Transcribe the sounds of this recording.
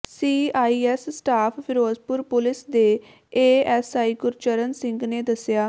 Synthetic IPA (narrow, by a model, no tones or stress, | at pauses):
siːaːiːɛːsːʈaːpʰpʰɪɾoːzpʊɾpʊlɪsd̪eː | eːɛːsaːiːkʊɾt͡ʃəɾənsɪ̃ŋɡneːd̪əsjaː